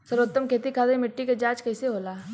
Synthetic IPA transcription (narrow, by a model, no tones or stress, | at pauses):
sɐɾət̪ːəmkʰeːt̪ikʰaːd̪emɪʈːiked͡ʒaːt͡ʃkɐɪseɦoːlaː